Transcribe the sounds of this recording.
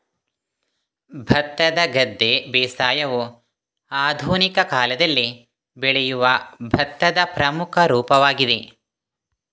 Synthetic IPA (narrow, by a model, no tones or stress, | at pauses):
bʱɐt̪ːɐd̪ɐɡɐd̪ːeːbɛːsaːjɐʋu | aːd̪ʱuːnikɐkaːlɐd̪ɐlːi | beɭɛjuʋɐbʱɐt̪ːɐd̪ɐpɾɐmukʰɐɾuːpɐʋaːɡid̪e